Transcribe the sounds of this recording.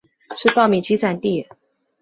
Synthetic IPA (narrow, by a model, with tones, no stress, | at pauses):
ʂɻ̩˥˧t̪ɑ˥˩ʊmi˨˩t͡ɕʰi˧˥t͡sʰa˨˩nt̪i˥˩